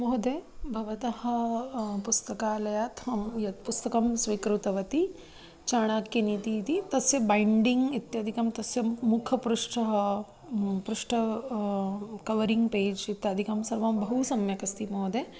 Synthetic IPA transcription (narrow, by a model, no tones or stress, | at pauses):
moɦd̪eːbʱɐʋɐt̪ɐhɐ̆pust̪ɐkaːlɐjaːt̪ɦɐmjɐt̪pust̪ɐkɐmsʋikɾut̪ɐʋɐt̪i | t͡ʃaːɳ̃aːkjɐnit̪it̪it̪ɐsjɐbɐjɳɖiŋɡit̪jɐːd̪ʱikɐmt̪ɐsjɐmukʰɐpɾuʂʈʰɐɦɐ | pɾuʂʈʰɐ | kɐʋɐɾiŋɡpeːd͡ʒit̪jaːd̪ʱikɐmsɐɾʋɐmbʱɐɦusɐmjɐkɐst̪imoːd̪eː